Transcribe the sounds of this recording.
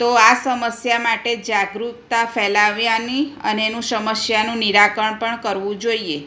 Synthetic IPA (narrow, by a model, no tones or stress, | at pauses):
t̪oasəməsjamaʈed͡ʒaɡɾut̪afɛlaʋjãniə̰neenũsəməsjanũniɾakəɳpəɳkəɾʋũd͡ʒoie